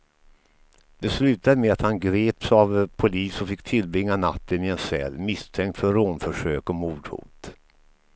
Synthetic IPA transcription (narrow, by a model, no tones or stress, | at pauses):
d̪̥ɛslʉ̟ːt̪ad̪əmɛat̪hanɡɾeːpsavpʰʊliːsɔfɪkːt̪ʰɪlbɾɪŋːana̰t̪ːənɪɛnsɛ̰lːmɪst̪ʰɛŋk̚t̪fœɾɾoːnfœʂøːkɔmuːɖhṵːt̪